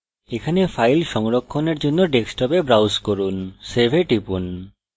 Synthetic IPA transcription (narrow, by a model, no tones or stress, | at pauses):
ekʰanefʰajlʃɔŋɾɔkʰːoneɾd͡ʒonːoɖeksʈɔpebɾawskɔɾunsebʱeʈipun